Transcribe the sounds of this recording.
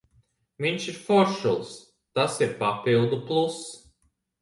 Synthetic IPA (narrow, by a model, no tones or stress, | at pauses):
viɲʃiɾfɔɾʃṵlˠs | t̪asiɾpapilˠd̪uplˠus